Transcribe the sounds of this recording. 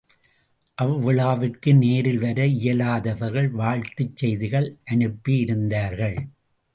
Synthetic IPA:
ʔɐʋːɪɭaːʋɪrkɯneːɾɪlʋɐɾɐɪjɐlaːðɐʋɐɾɣɐɭʋaːɻt̪ɯt͡ʃːɛjðɪɣɐɭʔɐnɯpːijɪɾɯnd̪aːɾɣɐɭ

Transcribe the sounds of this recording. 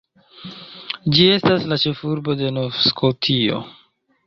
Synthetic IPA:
d͡ʒie̞staslat͡ʃe̞fuɾbo̞de̞novskʰotʰio̞̰

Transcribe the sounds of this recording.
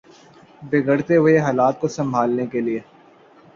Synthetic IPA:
beɡəɽt̪eɦʊeɦaːlaːt̪̚kosɐ̃mbʱaːlnekelie

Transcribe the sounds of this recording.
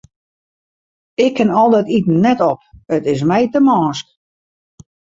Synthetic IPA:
ɪkʰːɪnɔlˠdɛtitn̩nɛtɔpətɪs̬mɛjtəmɔːsk

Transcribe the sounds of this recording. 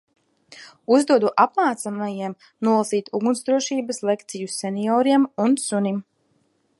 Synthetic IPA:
uzd̪uɔd̪uʔapmaːt̪samajiɛm | nuɔlˠasiːt̪uɡunzd̪ɾuɔʃiːbaslˠekt̪sijuseniɔːɾiɛmunsunim

